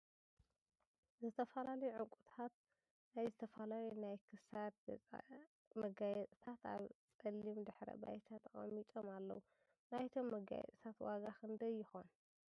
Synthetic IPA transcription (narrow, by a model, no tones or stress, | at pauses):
zɨt̪ʰɐfɐlalɐjuʕɨŋkʼut̪ʰat̪̚ | najzɨt̪ʰɐfɐlajenajkʰɨsad̪ʼ | mɐɡajɛt̪ʼt̪ʰat̪a̰βt͡sʼɐlːimd̪ɨħɾɐ̰ba̰jt̪ʰat̪ɨxʼɐ̰mːit͡ʃ̪ʼomalːɐ̰wu | najt̪ʰo̞mːɐɡa̰jɛ̰t̪ʼt̪ʰat̪waɡaxɨnd̪ɐjɪxo̞n